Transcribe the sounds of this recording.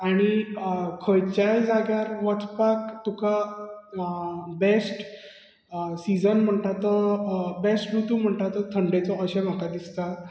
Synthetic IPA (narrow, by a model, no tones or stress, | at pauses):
aɽ̃ikʰəjt͡ɕajd͡zaɡjaɾʋət͡sʰpakt̪uka | besʈ | sid͡zənm̤əɳt̪at̪əbesʈɾut̪um̤əɳʈ̪at̪ət̪ʰəɳɖet͡sɔʔəɕem̤akad̪ist̪a